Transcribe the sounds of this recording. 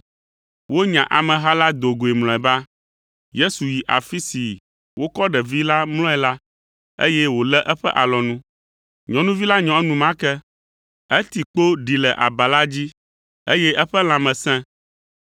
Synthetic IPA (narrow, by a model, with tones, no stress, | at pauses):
wo˦ɲã˨ʔa˨mɛ̃˨ɦa˦la˦d̪o˨ɡo˨e˨mlɔ̃˨ɛ˨ba˦ | je˦su˨ji˨ʔa̰˨fi˦si˨ | wo˦kɔ˦ɖɛ˨vi˦la˦ml̃ɔ̃˦ɛ˨la˦ | ḛ˦jɛ˦wo˨lɛ˦ʔɛ˦ɸɛ̰˦ʔa˨lɔ˨nũ˦ | ɲɔ̃˨nũ˦vi˦la˦ɲɔ̃˨ɛ˦nũ˨mã˦kɛ˦ | ɛ˦t̪i˨k͡po˦ɖi˨lɛ˨ʔa̰˨ba˨la˦d͡ʑi˦ | e˦jɛ˦ʔɛ˦ɸɛ˦l̃ã˨mɛ̃˨sɛ̃˦